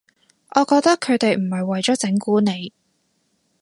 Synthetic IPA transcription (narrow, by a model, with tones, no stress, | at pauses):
ʔɔː˨˧kɔː˧k̚t̪ɐ˥kʰːɵ˨˧t̪e˨jm̩˨˩hɐ˨jwɐ˨jt͡ʃɔː˨˥t͡sɪ˨˥ŋkuː˨˥ne˨˧j